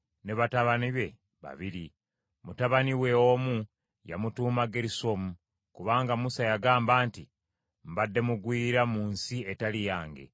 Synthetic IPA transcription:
ne̞βataβaniβe̞ | βa̰βiɾi | mutaβaniwe̞oːmu | ja̰mutuːmaɡeɾiso̞mu | kuβaːŋɡamusajaɡaːmbaːnti | m̩βadːe̞muɡwiːɾamuːnsie̞talijaːŋɡe̞̰

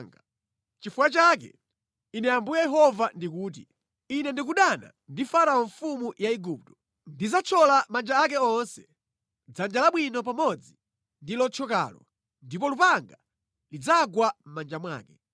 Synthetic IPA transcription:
ŋɡa | t͡ʃifuat͡ʃakɛ̰ | inɛambujɛjɛɦɔvandikuːt̬i | inɛndik̬uɗana̰ | ndifaɾaɔɱfumujaiɡuːp̚tɔ̥ | ndizat͡ʃʰɔlamand͡ʒaak̬ɛɔnsɛ̥ | d͡zand͡ʒalaɓwinɔp̬amɔd͡zi | ndilɔt͡ʃʰɔka̰ːlɔ | ndip̬ɔlupaŋɡa | lid͡zaɡwam̩mand͡ʒamwa̰ːkɛ

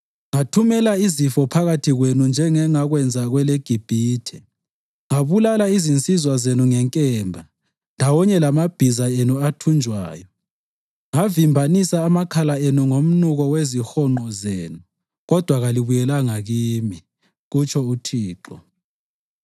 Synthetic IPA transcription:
ŋatʰumɛlaizifɔpʰaɣatʰiɣwenund͡ʒʱɛŋɛŋaɣwɛnd͡zʱaɣwɛleɡ̥ʱib̥ʱiːtʰɛ | ŋaβulalaizint͡sʼizwazenuŋɛŋkʼɛːmbʱa | ndʱawɔɲɛlamab̥ʱizaenuatʰund͡ʒʱwa̰ːjɔ | ŋavimbʱanisaːmakʰalaenuŋom̩nuɣɔwezixɔŋ͡ǃɔzeːnu | ɣɔd̥ʱwaɣaliβujɛlaŋaɣiːmi | ɣut͡ʃʰɔutʰiːǃɔ

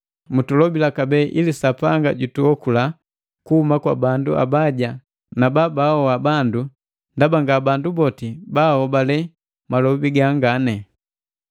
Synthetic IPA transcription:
mutulɔbilakabɛʔilisapaŋɡa̰ɟutuɔkula | kuhumakwabandua̰baɟa | nababaɔwabandu | ndabaŋɡabandubɔtibahɔbalɛ | malɔbiɡaŋɡanɛ

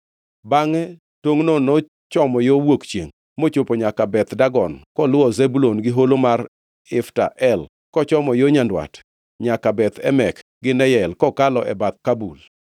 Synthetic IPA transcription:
baŋɛ | twoŋnono | t͡ʃɔmɔjowokt͡ʃjeŋ | mot͡ʃopoɲakabɛt̪daɡɔnkɔlʊwɔzebulonɡɪɦolomar | ɪfta̰ʔɛl | kɔt͡ʃɔmɔjoɲandwa̰t | ɲakabɛt̪ɛmɛkɡɪnɛjɛlkɔkalɔʔɛbat̪̚kabul

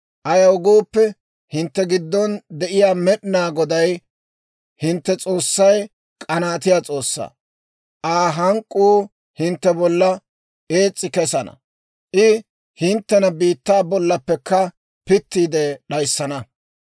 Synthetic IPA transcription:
ʔɐjɐwʊɡuːpːɛ | hɪnt̪ːɛɡɪd̪ːɔnd̪ɛʔɪjaːmɛɗɪnaːɡɔd̪ɐj | hɪnt̪ːɛt͡sʼo̞ːsːɐj | kʼɐnaːt̪ɪjaːt͡sʼo̞ːsːɐ̰ | ʔaːɦɐŋkʼːuː | hɪnt̪ːɛbɔlːɐ | e̞ːt͡sʼːɪkɛsɐnɐ̰ | ʔɪ | hɪnt̪ːɛnɐbiːt̪ːaːbɔlːɐpːɛkːɐ | pɪt̪ːiːd̪ɛɗɐjsːɐnɐ

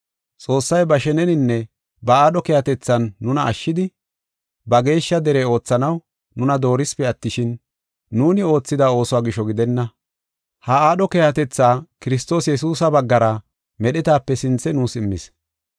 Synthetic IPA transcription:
t͡sʼo̞ːsːɐjbɐʃɛnɛnɪnːɛ | bɐaːɗɔkɛːhɐt̪ɛt͡sːɐnːʊnɐʔːʃːɪd̪ɪ | bɐɡe̞ːʃːɐd̪ɛɾeːo̞ːt͡sːɐnɐw | nʊnɐd̪o̞ːɾɪspɛɐt̪ːɪʃɪnː | uːnɪo̞ːt͡sːɪd̪ao̞ːsʊwaːɡɪʃɔɡɪd̪ɛnːɐ | hɐaːɗɔkɛjɐt̪ɛt͡sːaːkɪɾɪs̬t̪o̞ːsjɛsuːsɐbɐɡːɐɾɐ | mɛɗɪt̪aːpːɛsɪnt͡sːɛnuːsɪmːɪs

